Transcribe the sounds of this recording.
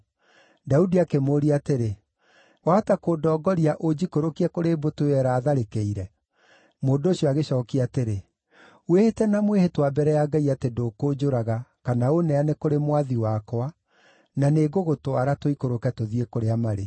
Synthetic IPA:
daudiakemoːɾiateɾe | waːtakoːdɔːɡɔɾiaʔod͡ʑikoɾokiɛkoɾeːbotoɛɾaːðaɾekeiɾɛ | moːndooɕiɔaɣeɕɔːkiateɾe | wehetɛnamwehetwabɛɾɛjaɡaiatedokod͡ʒoɾaɣakanaonɛanekoɾemwaðiwakɔa | naneɡoɣotowaɾatwoikoɾokɛtoðiekoɾeamaɾe

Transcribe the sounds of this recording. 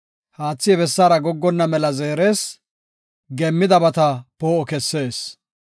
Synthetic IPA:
haːt͡sːɪjɛbɛsːaːɾɐɡɔɡːɔnːɐmɛlɐzeːɾe̞ːs | ɡɛmːɪd̪ɐbɐt̪ɐpoːʔɔkɛsːe̞ːs

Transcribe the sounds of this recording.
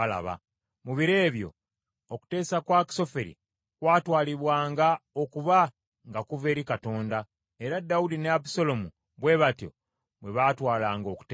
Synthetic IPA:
la̰βa̰ | muβiɾeːβjo̞̰ | oku̥te̞ːsakwaki̥so̞feɾḭ | kwaːtwaːliβwaːŋɡao̞kuβa | ŋɡakuve̞ːɾikato̞ːnda | e̞ɾadːaudineabiso̞lo̞mu | βwe̞ːβatjo̞̰ | bwe̞βaːtwaːlaːŋɡo̞ːku̥t

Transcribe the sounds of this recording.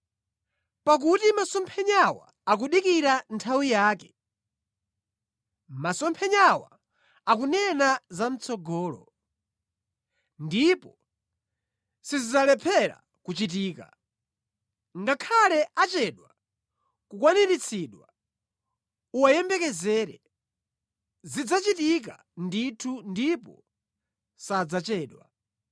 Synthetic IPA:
pak̬utimasɔmpʰɛɲawa̰ːk̬uɗikiɾantʰawijaːkɛ | masɔmpʰɛɲawa̰ | akunɛnazam̩t͡sʰɔɡɔːlɔ̰ | ndipɔ | sizizalɛpʰɛɾa̰ | kut͡ʃit̬iːka̰ | ŋɡakʰalɛat͡ʃɛɗwa | kukwaniɾit͡sʰiɗwa | uwajɛmbɛkɛzɛːɾɛ̰ | zid͡zat͡ʃitik̬a | nditʰundipɔ̰ | sad͡zat͡ʃɛːɗwa̰

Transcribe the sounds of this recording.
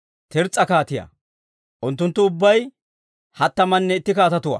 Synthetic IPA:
t̪ʰɛɾt͡sʼːɐkaːt̪ɪjɐ̰ | ʔʊnt̪ːʊnt̪ːʊʊbːɐj | hɐt̪ːɐmɐnːɛɪt̪ːɪkaːt̪ɐt̪ʊwɐ̰

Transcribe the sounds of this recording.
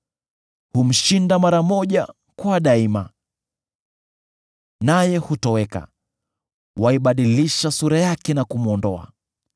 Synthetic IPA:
hum̩ʃindamaɾamɔʄa | kuaɗaima | najɛhutɔwɛka̰ | waiɓaɗiliʃasuɾajakɛnakum̩ɔndɔa̰

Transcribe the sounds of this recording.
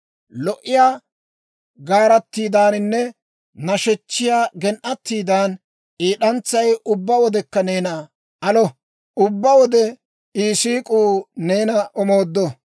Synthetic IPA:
lɔʔɪjaː | ɡaːɾɐt̪ːiːd̪aːnɪnːɛ | nɐʃɛt͡ʃːɪjaːɡɛnʔɐt̪ːiːd̪aːn | ʔiːɗɐnt͡sːɐjʔʊbːɐwɔd̪ɛkːɐneːnɐ | ʔɐlɔ | ʊbːɐwɔd̪ɛ | iːsiːkʼuːne̞ːnɐʔɔmo̞ːd̪ːɔ

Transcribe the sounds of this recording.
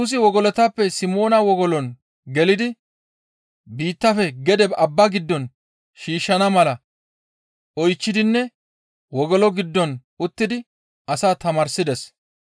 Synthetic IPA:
uːs̬ɪwɔɡɔlɔt̪ɐpːɛsɪmo̞ːnɐwɔɡɔlɔn | ɡɛlɪd̪ɪ | biːt̪ːɐfɛɡɛd̪ɛbɐbːɐɡɪd̪ːɔn | ʃiːʃːɐnɐmɐlɐ | ɔjt͡ʃːɪd̪ɪnːɛ | wɔɡɔlɔɡɪd̪ːɔn | ʊt̪ːɪd̪ɪ | ʔɐsaːt̪ɐmɐɾsɪd̪ɛs

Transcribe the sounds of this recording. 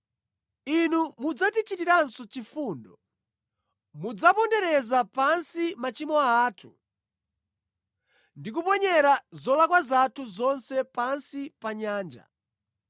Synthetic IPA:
inumud͡zatit͡ʃitiɾansɔt͡ʃifuːndɔ | mud͡zapɔndɛɾɛzapansimat͡ʃimɔaːtʰu | ndik̬upɔɲɛɾazɔlakwazatʰuzɔnsɛpansipaɲaːnd͡ʒa̰

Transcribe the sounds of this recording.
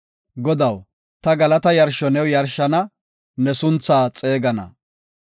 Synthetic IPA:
ɡɔd̪ɐw | t̪ɐɡɐlɐt̪ɐjɐɾʃɔnɛwjɐɾʃɐnɐ | nɛsʊnt͡sːaːt͡sʼeːɡɐnɐ̰

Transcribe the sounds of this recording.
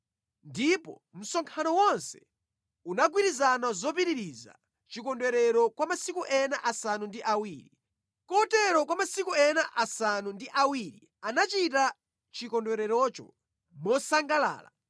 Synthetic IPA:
ndipɔ | m̩sɔŋkʰanɔwɔnsɛ̥ | unaɡwiɾizanazɔp̬iɾiɾiza̰ | t͡ʃikɔndwɛɾɛɾɔkwamasikuʔɛnaʔasanundiʔawiːɾi | kɔtɛɾɔkwamasikuɛnaʔasanundiʔawiɾi | anat͡ʃita | t͡ʃikɔndwɛɾɛɾɔt͡ʃɔ̰ | mɔsaŋɡala̰ːla̰

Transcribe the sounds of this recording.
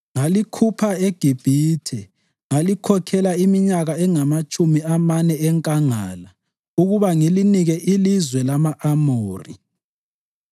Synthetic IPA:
ŋalikʰupʰaeɡ̥ʱib̥ʱiːtʰɛ | ŋalikʰɔkʰɛlaimiɲaɣaɛŋamat͡ʃʼumiamanɛɛŋkʼaŋa̰ːla | uɣuβaŋiliniɣɛʔilizwɛlamaʔamoːrḭ

